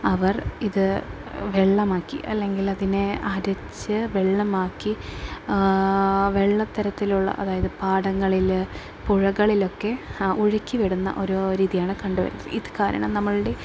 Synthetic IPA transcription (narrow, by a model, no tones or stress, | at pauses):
ɐʋɐriðɨ | ʋe̞ɭːɐmaːkːḭʔɐ̰lːe̞ŋɡilɐðineaːɾɐt͡ɕːɨʋeɭːɐmaːkːi | ʋe̞ɭːɐt̪ːɐɾɐt̪ːiluɭːɐ̰ʔɐ̰ðaːjɐðɨpaːɽɐŋːɐɭil | puɻɐɣɐɭilo̞kːe̞uɻikʲːiʋeɽunːɐ̰ʔo̞ɾoːɾiːðijaːɳɨkɐɳɖuʋɐ̰ɾunːɐðɨ̰iðɨkaːɾɐ̰ɳɐmnɐmːɐɭɨɽe